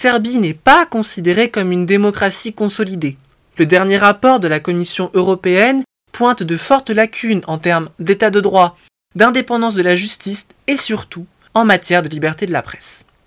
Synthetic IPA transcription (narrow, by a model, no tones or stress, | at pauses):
sɛʁbinɛpakɔ̃sid̪eʁekɔmynd̪emɔkχasikɔ̃sɔlid̪e | ləd̪ɛʁnjeʁapɔʁd̪əlakɔmisjɔ̃ʔøʁɔpeɛn | pwɛ̃t̪d̪əfɔʁt̪əlakʲʰynɑ̃t̪ɛʁmd̪et̪ad̪əd̪ʁwa | d̪ɛ̃d̪epɑ̃d̪ɑ̃s̬d̪əlaʒyst̪is | esyʁt̪u | ɑ̃mat̪jɛʁd̪əlibɛʁt̪ed̪əlapχɛ̥s